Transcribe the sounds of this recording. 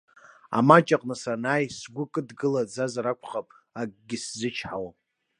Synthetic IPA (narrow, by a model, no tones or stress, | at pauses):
a̰mat͡ʃʼaqʼnɨsanaːjsɡʷʊkʼɨdɡɨlad͡zazaɾakʷʰχapʼ | akʼɡʲɪszɨt͡ʃʰħawa